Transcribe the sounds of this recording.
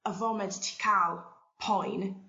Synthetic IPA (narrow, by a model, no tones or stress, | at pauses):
əvɔmɛnttʰi̥kʰalˠ | pʰɔjn